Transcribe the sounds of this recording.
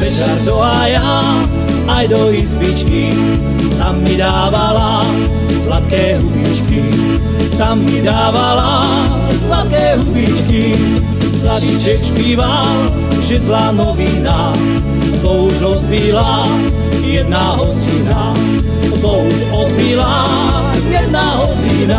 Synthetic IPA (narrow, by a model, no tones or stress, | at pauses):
pɛt͡ʃaɾd̪ɔɦaːja | ajd̪ɔizʋit͡ʃki | t̪amːid̪aːʋala | slat̪kɛːɦubiːt͡ʃki | t̪amːid̪aːʋala | slat̪̚kɛːɦubiːt͡ʃki | sladit͡ʃɛkʃpiːʋa | ʒɛzlaːnɔʋiːna | ɔt̪ɔuʒɾɔd̪bila | jɛd̪̚naɦɔd͡ziːna | ɔt̪ɔuʃɔd̪bila | jɛd̪naːɦɔd͡zina